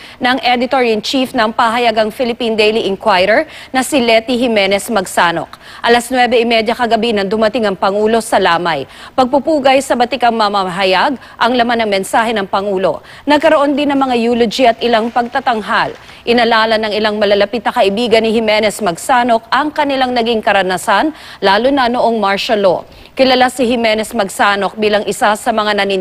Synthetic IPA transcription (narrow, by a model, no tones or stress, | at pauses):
nɐŋʔɛd̪ɪt̪oɹiɐnt͡ʃifnɐŋpaɦɐjaɡɐŋfɪlɪpind̪ejliʔɪŋkwajɾɛɹnɐsilɛt̪iɦɪmɛnɛsmɐɡsaːno̰k̚ | ʔɐlɐsnwɛbɛɪmɛd̪jɐkɐɡɐbinɐŋd̪ʊmɐt̪ɪŋɐŋpɐŋuːlo̞sɐlaːmɐj | pɐɡ̚pupuːɡɐjsɐbɐt̪ɪkɐŋmɐmaɦɐjaɡ | ʔɐŋlɐmanːɐŋmɛnsaːɦɛnɐŋpɐŋuːlo̞̰ | nɐɡkɐɾoʔo̞nd̪ɪnːɐŋmɐŋajuːlʊd͡ʒiɐt̪̚ʔɪlaŋpɐɡ̚t̪ɐt̪ɐŋɦal | ʔɪnɐlaːlɐnɐŋɪlaŋmɐlɐlɐpit̪nɐkɐʔɪbiːɡɐnːɪhɪmɛnɛsmɐɡsaːno̞k̚ʔɐŋkɐnɪlaŋnɐɡiŋkɐɾɐnɐsan | laːlʊnɐnoʔoŋmaɹʃɐlo | kɪlɐlasɪhɪmɛnɛsmɐɡsaːno̞k̚biːlɐŋʔɪsasɐmɐŋanɐni